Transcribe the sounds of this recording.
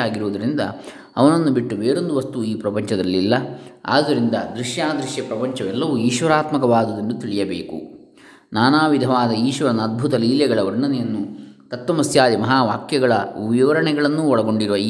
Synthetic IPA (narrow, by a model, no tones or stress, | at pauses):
aːɡiɾuʋːd̪ɐɾind̪ɐ̰ | ɐ̰ʋɐnɐnːubiʈːubeːɾo̞nd̪uʋɐst̪uiːpɾɐpɐɲt͡ʃɐd̪ɐlːilːɐa̰ːd̪ɐɾind̪ɐd̪ɾiʃjaːd̪ɾiʃjɐpɾɐpɐɲt͡ʃɐʋɛlːɐʋuiːʃʋɐɾaːt̪mɐkɐʋaːd̪ɐd̪ɐndut̪iɭijɐbḛːkṵ | naːnaːʋid̪ʱɐʋaːd̪ɐiːʃʋɐɾɐnɐd̪̚bʱut̪ɐliːljɛɡɐɭɐʋɐɾɳɐnɛjɐnːut̪ɐt̪ʋɐmɐsjaːd̪imɐɦaːʋaːkjɐɡɐɭɐʋiʋɐɾɐɳɛɡɐɭɐnːuɔɭɐɡo̞ɳɖiɾuʋɐiː